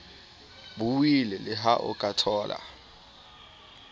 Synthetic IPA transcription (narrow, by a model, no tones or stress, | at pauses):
buwilɛlɪɦaʔɔ̰kʼatʰɔːlʔa̰